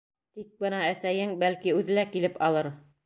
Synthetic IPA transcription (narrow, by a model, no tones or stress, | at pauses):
t̪ik̚bɤnɑæsæjɘŋbælkiʉðɘ̆lækilɘpɑlˠɤɾ